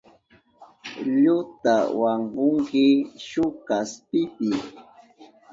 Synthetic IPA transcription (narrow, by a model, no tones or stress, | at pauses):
ʎʊt̪awaŋɢʊŋkɪʃʊkaspɪpɪ